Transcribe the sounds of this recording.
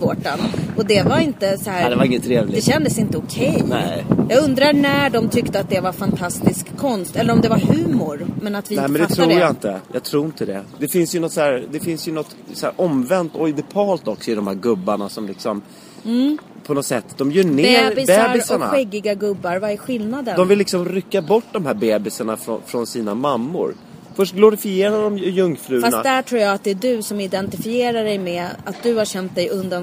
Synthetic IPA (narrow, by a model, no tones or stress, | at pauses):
voːʈanɔd̪ɛvaɾɪnt̪əsɔæːɾd̪ɛvaɾɪŋːət̪ʰːɾeːvlɪd̪ɛɕɛnd̪əsɪnt̪əɔkʰɛjnɛ̰jɑːɡɵnd̪ɾanæɖɔmt̪ʰʏkt̪əat̪̚d̪ɛvaɾfant̪ʰast̪ɪskʰːɔnst̪ɛlːəɾɔmd̪ɛvaɾhʉ̟ːmʊɾmɛnat̪vɪnɛmɛnd̪ɛt̪ʰɾujaɪnt̪ə̰jɑ̰t̪ʰɾuːɪnt̪əd̪ɛ̰d̪ɛfɪnsjɵnɔt̪ːsæːɾd̪ɛfɪnsjɵnɔt̪ː | sɔhæ̰ːɾʔɔmvɛnt̪ɔjd̪ɪpʰɑːlt̪ɔksɔɪd̪ɔmhæːɾɡɵbːaɳasɔmlɪksɔm | pʰɔnɔt̪sɛt̪ːd̪ɔmjœːɳeːɾbɪsbɛːɾɪsaɳa̰ɧɛɡːɪɡaɡɵbːaɾvaɛɾɧɪlnad̪ənd̪ɔmvɪlːɪksɔmɾʏkːabɔʈːd̪ɔmɦæːɾbeːbɪsaɳafɾɔ̰fɾɔnsiːnamamːʊ̰ɾ | fœʂʈɡlʊɾɪfɪeːɾad̪ɔmjɵŋːfɾʉ̟ːfana̰d̪æʈʰɾuːɾjɑːat̪̚d̪ɛːd̪ɵsɔmɪd̪ɛnt̪ɪfɪjeːɾaɖɛjmɛat̪̚d̪ɵhaɕɛnt̪̚d̪ɛjɵnd̪an